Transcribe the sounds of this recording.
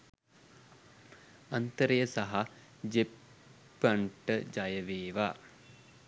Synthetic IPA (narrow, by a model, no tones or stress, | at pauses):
ɐnt̪əɾəjəsaɦa | d͡ʒepː | ɐɳʈəd͡ʒajəʋeːʋa